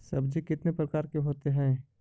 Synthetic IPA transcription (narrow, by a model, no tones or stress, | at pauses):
sɐbd͡ʒikɪt̪nepɾɐkaːɾkeɦoːt̪eɦɛ̃ː